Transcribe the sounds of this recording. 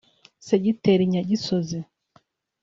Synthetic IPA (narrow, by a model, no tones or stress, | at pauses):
seɟiteɾiɲaɟisozi